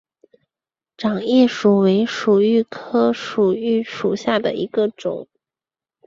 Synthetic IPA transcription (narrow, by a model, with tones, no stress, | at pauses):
ʈ͡ʂɑ˨˩ŋjɛ˥˩ʂu˨˩we˧˥ɪʂu˨˩y˥˩kʰɤ˥ʂu˨˩y˥˩ʂu˨˩ɕja˥˩d̪ə̰˩ʔi˧˥ɡə˧ʈ͡ʂʊ̰˨˩˦